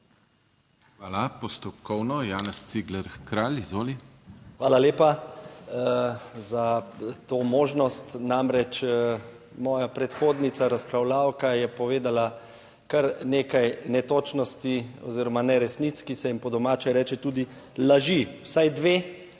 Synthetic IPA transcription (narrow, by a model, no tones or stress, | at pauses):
xʋaːlapɔst̪ɔkɔwnɔjaːnɛst̪siɡlɛɾkɾaːlizʋoːli | xʋaːlaleːpa | zat̪oːmoːʒnɔst̪namɾɛt͡ʃ | mɔːjapɾɛt̪xoːd̪nit̪saɾaspɾawlaːwkajɛpɔʋeːd̪ala | kɐɾneːkajnɛt̪oːt͡ʃnɔst̪iɔ̰ziːɾɔmanɛɾɛsnit̪skisɛimpɔd̪ɔmaːt͡ʃɛɾɛːt͡ʃɛt̪uːd̪i | laʒiwsajd̪ʋeː